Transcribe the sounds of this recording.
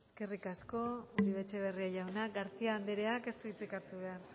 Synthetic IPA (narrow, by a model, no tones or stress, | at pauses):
eske̞rikasko̞uɾiβet͡ʃe̞β̞e̞riaʝawnaɡaɾt͡siaːnd̪eɾeake̞st̪uit͡sikat̪uβe̞ar